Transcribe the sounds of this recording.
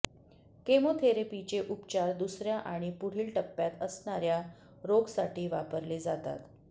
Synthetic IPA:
kemot̪ʰeɾepit͡ɕeʔupt͡ɕaɾd̪usɾjaʔaɽ̃ipuɽ̤iːlʈəpːjat̪əsɳaɾja | ɾoɡsaʈiːʋapəɾled͡zat̪a̰t̪

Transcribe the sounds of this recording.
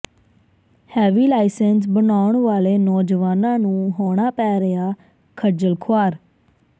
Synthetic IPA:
hɛːʋiːlaːɪsɛns̬bənaːʊɳʋaːleːnɔːd͡ʒʋaːnãːnũːɦoːɽ̃aːpɛːɾeaː | kʰəd͡ʒəlkʰoaːɾ

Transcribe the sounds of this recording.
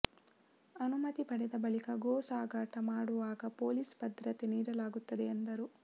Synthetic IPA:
ɐnumɐt̪ipɐɽɛd̪ɐbɐɭikɐɡoːsaːɡaːʈɐmaːɽuʋaːɡɐpo̞ːliːsbɐd̪ɾɐt̪eniːɾɐlaːɡut̪ːɐd̪eːnd̪ɐɾu

